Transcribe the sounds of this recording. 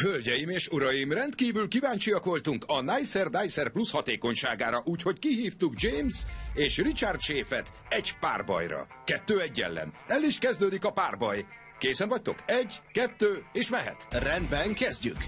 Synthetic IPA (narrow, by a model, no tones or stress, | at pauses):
hølɟɛjimeːʃuɾɒjimrɛnt̪kiːvylkivaːɲt͡ʃijɒkʋo̞lt̪uŋkɒnɛjsɛrd̪ajsɛrplushɒt̪eːko̞ɲʃaːɡaːɾɒʔuːcho̞ckiɦiːft̪uɡd͡ʒeːmzeːʃrit͡ʃart̪ʃeːfɛt̪ | ɛɟpa̰ːrbɒ̰jrɒ̰ | kɛt̪ːøːɛɟːɛ̰lːɛ̰nɛlːiʃkɛzd̪øːd̪ikɒpaːrbɒj | keːsɛnvɒc̚t̪o̞kɛɟkɛt̪ːøːeːʃmɛɦɛ̰t̪rɛnd̪bɛŋkɛzɟy̰k